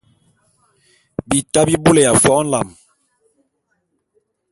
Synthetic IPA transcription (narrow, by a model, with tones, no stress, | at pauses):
bi˨ta˦bi˦bu˦le˨ja˨fɔ˦n̩˦la˨m